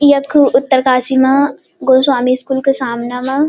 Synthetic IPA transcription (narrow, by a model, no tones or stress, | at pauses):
jɐkʰʊt̪ːəɾkaːsimã | ɡoswaːmiskuːlkesaːmnamã